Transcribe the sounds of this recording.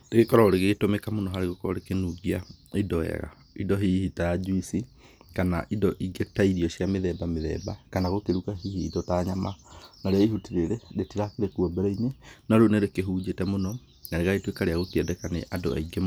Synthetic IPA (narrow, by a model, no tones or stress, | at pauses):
deɣekɔɾɔoɾeɣetomɛkamonɔɦaɾeɣokɔɔɾekenuɣiaidɔɛ̰ɣa̰ | idɔɦiihitaad͡ʒuisi | kana̰ʔidɔʔiɡetaiɾiɔɕiameðɛbameðɛ̰ːba̰kanaɣokeɾukaɦihiːdɔtaɲama̰naɾeaiɦutiɾeɾeɾetiɾakeɾekuɔbɛɾainenaɾoneɾekeɦud͡ʒetɛmonɔ | naɾeɣaetwekaɾeaɣokeɛdɛkanḛʔado̰a̰iɡem